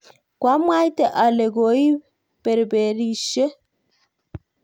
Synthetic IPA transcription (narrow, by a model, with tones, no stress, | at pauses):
kwa˦mwa˦jtɛ˦˨ʔa˨le˨ɡo˨i˦ | pɛ˨ɾbe˨ɾiʃɛ˦